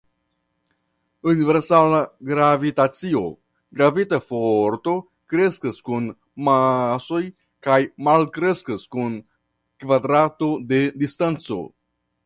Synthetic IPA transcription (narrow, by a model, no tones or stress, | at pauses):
unive̞ɾsalaɡɾavitat͡sio̞ | ɡɾavitafoɾt̪o̞ | kɾe̞skəskun | maso̞j | kajmalkɾe̞skəskun | kvad̪ɾato̞d̪e̞distant͡so̞̰